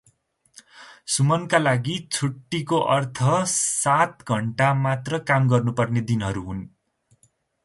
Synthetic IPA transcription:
sumʌnkalaɡit͡sʰuʈːikoʔʌrt̪ʰʌsat̪ɡʱʌɳʈamat̪rʌkamɡʌrnupʌrned̪inɦʌɾuɦun

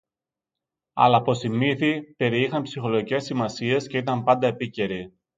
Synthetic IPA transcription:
ɐ̰lɐpo̞simiθipe̞ɾiixɐnpsixo̞lo̞ʝice̞simɐsie̞sce̞it̪ɐmpɐnd̪ɐe̞pice̞ɾi

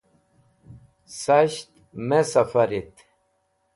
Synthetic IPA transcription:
sɐɕt̪ | mesɐfɐɾit̪

